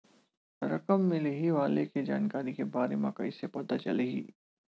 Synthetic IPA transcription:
ɾɐkəmːɪleɦiʋaːleked͡ʒa̰ːnkaːɾikebaːɾemãka̰ɪsːepɐt̪at͡ʃɐ̰leɦḭː

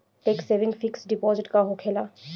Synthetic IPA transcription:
ʈeːkseːʋɪ̃ŋɡfɪksɖɪpɔːzɪʈkaɦokʰeːlaː

